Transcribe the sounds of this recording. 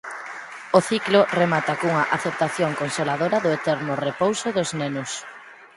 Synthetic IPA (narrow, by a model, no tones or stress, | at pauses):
oθiklʊremat̪ɐkuŋɐʔaθep̚t̪aθjoŋkonselaðoɾɐðʊet̪ɛɾnʊrepowsʊðʊznenʊs